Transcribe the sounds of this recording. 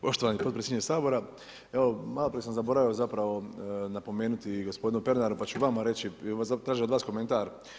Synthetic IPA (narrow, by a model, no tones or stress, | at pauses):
po̞ʃt̪oʋanipod̪pɾeseɲesaːbo̞ɾa | eomalˠo̞pɾijesamzabo̞ɾaʋiozapɾaʋo̞napo̞me̞ːnut̪iɡo̞spo̞d̪inupe̞ɾnaɾupat͡ʃuʋamaɾe̞t͡ɕiasat̪ɾaːʒiod̪ʋaːsko̞ment̪aɾ